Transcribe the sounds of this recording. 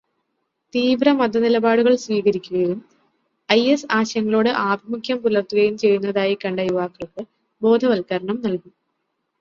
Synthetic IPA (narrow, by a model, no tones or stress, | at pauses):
t̪iːʋrɐmɐd̪ɐnilɐbaːɽuɣɐɭsʋiːɣɐɾikʲːuɣɐjum | ɐjesaːɕɐŋːɐɭo̞ːɽɨʔaːbʱimukʰjɐmpulɐrt̪uɣɐjumt͡ɕe̞jːunːɐðaːjikɐɳɖɐjuʋaːkːɐɭkɨ | bo̞ːd̪ʱɐʋɐlkɐɾɐɳɐmnɐlku